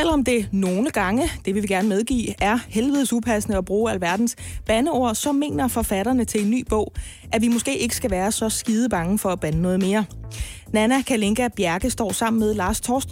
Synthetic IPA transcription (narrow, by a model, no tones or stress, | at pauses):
selɐɒ̽md̥e̝no̝ːləɡ̥ɑ̈ŋəd̥e̝ʋiʋiɡ̥æɐnəmeð̞ˠɡ̥ḭːæɐhelʋeð̩ˠsupʰæsnəɒb̥ʁuːælʋæɐd̥n̩sb̥ænəo̝ɐ̰sɒ̽me̝̰ːnɐfɒ̽fæɾɐnət͡sʰe̝e̝nːy̰ːb̥ɔ̽ʊ̰ | ʔæʋimo̽sɡ̥e̝̰ːe̝ɡ̥əsɡ̥æʋæːɐsɒ̽sɡ̥iːð̞ˠəb̥ɑ̈ŋəfɒ̽æb̥ænənɔ̽ːð̞̩ˠme̝ːɐnænækʰæle̝ŋɡ̥æb̥jæɐɡ̥əsd̥ɒ̰ːsɑ̈m̰n̩með̞ˠlɑ̈ːst͡sʰɒːsd̥